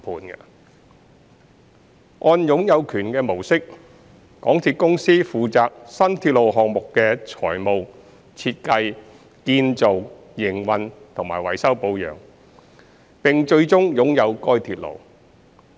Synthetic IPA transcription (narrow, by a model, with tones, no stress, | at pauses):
pʰuː˨˧nkɐ˧ | ʔɔː˧njʊ˨˧˥ŋjɐ˨˧wkʰyː˨˩nkɛː˧mo˨˩wsɪ˥k̚ː | ɔ̰ː˨˥ŋt̪ʰiː˧t̚kʊ˥ŋsiː˥fuː˨˧t͡saː˨˧k̚sɐ˥nt̪ʰiː˧t̚lo˨wɦɔː˨k̚mʊ˨kːɛː˧t͡sʰɔ̰ː˨˩jmo˨w | t͡sʰiː˧t̚kɐ˧j | kiː˧nt͡so˨w | jɪ˨˩ŋwɐ˨nt̪ʰʊ˨˩ŋma̰ː˨˩jwɐ̰˨˩jsɐ˥wpo˧wjœ̰ː˨˩ŋ | pɪ˨ŋt͡ʃɵ˧ɥt͡sʊ˥ŋjʊ˨˥ŋjɐ˨˧wkɔː˥jt̪ʰiː˧t̚lo̰˨˩w